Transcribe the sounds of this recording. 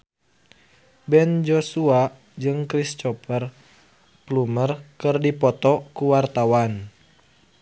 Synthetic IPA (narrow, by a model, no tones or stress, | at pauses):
bɛnd͡ʒosua | d͡ʒɨŋkɾist͡ʃɔpər | plumərkɨrdipɔt̪ɔkuwart̪awan